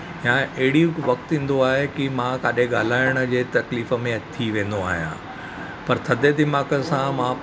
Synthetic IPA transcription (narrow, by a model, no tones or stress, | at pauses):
jãɐɦɪɽiʋɐkt̪ĩːnd̪oaːɦekimãkaːɗɦẽɠaːl̤aːɪɽ̃ə̆d͡ʑeːt̪ɐkliːfə̆mẽɐt̪ʰiʋẽːn̆d̪oa̰ːɦijã̰ | pɐɾt̪ʰɐd̪ʱed̪ɪmaːkəsãmã